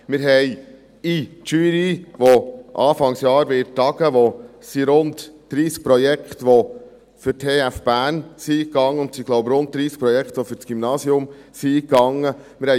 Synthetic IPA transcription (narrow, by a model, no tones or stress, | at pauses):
mɪɾɦɛj | itʃyːɾiʋoʔɑːfɑŋsjɑːɾʋɪːtɑɡəʋosiɾʊntd̥ɾiːsk̚pɾɔjɛkχt̪ʋo | fʏɾtʰeːæfb̥æːnsikɑŋːəʊntsiɡ̥loʊpɾʊnt̚d̥̪ɾiːskpɾɔjɛkt̪ʋɔfʏɾt͡sɡ̥ymnɑːsjʊmsikɑŋːə | mɪɾhɛ